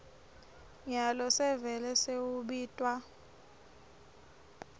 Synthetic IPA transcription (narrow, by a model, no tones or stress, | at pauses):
ɲalɔsɛvɛlɛsewuɓiːtʼwa